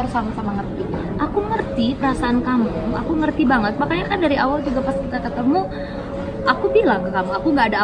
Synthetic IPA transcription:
aɾsamasamaŋərt̪i | ʔakuŋərt̪ipəɾasaʔankamua̰kuŋərt̪ibaŋət̪̚makaɲakandaɾiawald͡ʒuɡapaskit̪akət̪əmu | ʔakubilaŋkəkamuakuŋɡaːda

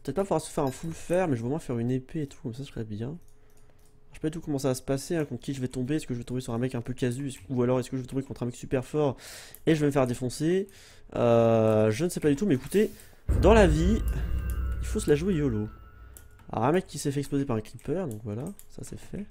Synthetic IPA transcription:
pət̪ɛt̪̚papuvwaʁsə̥fɛʁɛ̃fulfɛʁmɛʒəvəmwɛ̃fɛʁynepeːt̪ʰu̥kɔmsasə̥χɛbjɛ̃ | ʁʃe̥pad̪yt̪ukɔmɑ̃savasə̥paseɛ̃kɔ̃t̪kʲiʒəvɛt̪ɔ̃beɛskəʒəvɛt̪ɔ̃besyʁɛ̃mɛkɛ̃pøkazysualɔʁɛskəʒəvɛt̪ɔ̃bekɔ̃t̪χɛ̃mɛksypɛʁfɔʁ | eʒəvɛməfɛʁd̪efɔ̃se | øʒənsɛpad̪yt̪umɛekut̪e | d̪ɑ̃lavi | ilfosəlaʒwejɔlo | alɔ̰ʁɛ̃mɛkʰʲːisɛfɛɛkspozepaʁɛ̃klipœʁd̪ɔ̃kvwala | sa̰sɛ̰fɛ

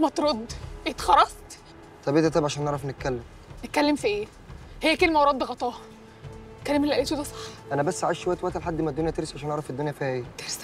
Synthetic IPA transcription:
mæt̪ɾod̪et̪xɑɾˤɑst̪ | t̪ˤɑbʔet̪æt̪æːbʕaʃæːnːeʕɾˤɑfnet̪̚kælːem | net̪̚kælːemfiʔeː | hejːækelmæwɾˤɑd̪ːɣɑt̪ˤɑːh | kːælæːmelʔæleːt̪od̪æsˤɑ̥ħʔænæbæsːaʕaʃowæjːt̪wæʔt̪ælħad̪ːmæd̪ːonjæt̪eɾesʕaʃæːneʕɾɑfed̪ːonjæfiːhæʔeːt̪eɾs

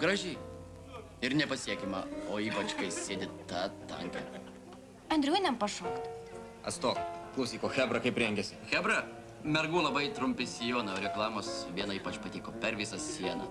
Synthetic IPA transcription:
ɡɾɐʒʲɛɪ | ɪɾnʲɛpɐsʲiɛkʲɛmɐoːiːpɐt͡ʃkɐɪsʲeːd̪ʲɪt̪ɑːt̪ɐ̰ŋʲkʲɛ̰ | ɐnd̪ʲɾʲuːnʲɛmpɐʃoːkt̪ | ɐ̰st̪oːkklˠɐʊs̬ʲiːkoːxʲæːbɾɐkɐɪpɾʲɛŋʲɡʲɛsʲɪxʲæbɾɐ | mʲɛɾɡuːlˠɐbɐɪt̪ɾʊmʲpʲɪsʲijoːnɐoːɾʲɛklˠɑːmoːsʋʲiɛnɐiːpɐt͡ʃpɐt̪ʲiːkoːpʲɛɾʋʲɪsɐsʲiɛnɐ

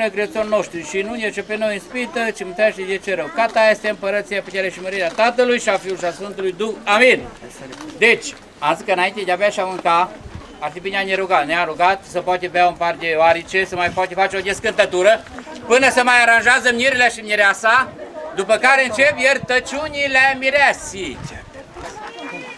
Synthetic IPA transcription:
əɡɾet̪sonʲːo̞ʃt̪ɾiʃinujʲet͡ʃepeno̞jɨnspit̪ət͡ʃimɨt̪ɾaʃejet͡ʃeɾəwkat̪ajest̪eɨmpəɾət̪sijaput̪eɾejʃiməɾiɾeat̪at̪əlujʃiafiulʃiasfɨnt̪ulujd̪uxamin | d̪et͡ʃʲ | amzikəɨnaint̪ed̪eavaʃiamɨŋka | at̪ipineaneɾuɡat̪neaɾuɡat̪səpoat̪ebeaumpard̪eoaɾit͡ʃesəmajfoat̪efat͡ʃeod̪ʲeskɨnt̪ət̪uɾə | pɨnəsəmajaɾanʒeazəmiɾileʃimiɾeasad̪upəkaɾeɨnt͡ʃepjert̪ət͡ʃʲunilemiɾasit̪ʲ

